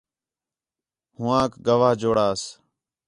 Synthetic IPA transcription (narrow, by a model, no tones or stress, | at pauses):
hʊãːkɡəʋaːɦd͡ʒoːɽaːs